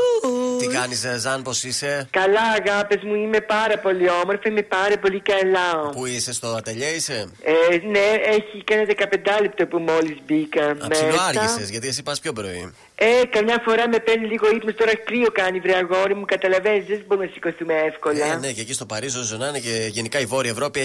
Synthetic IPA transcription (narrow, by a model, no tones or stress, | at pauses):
ut̪ikɐnizzɐnposisekɐlɐːɣɐpezmuime̞pɐɾɐpo̞lio̞moɾfɐime̞pɐɾepo̞likɐlɐopuisest̪oɐt̪ɐʎɐiseeneeçikɐnɐðekɐpe̞nd̪ɐlept̪opumo̞lizbikɐɐmseɐɾsɐsezʝɐt̪ies̬ipɐspço̞bɾo̰ḭ | ekɐmɲɐfo̞ɾɐme̞peniliɣo̞ipnest̪o̞ɾɐkɾiokɐnivɾeɐɣo̞ɾimukɐt̪ɐlɐvenizðesbo̞ɾumnɐsi̥koθumeefko̞lɐnececist̪o̞pɐɾisozonɐneceʝenikɐivo̞ɾiɐevɾo̞pi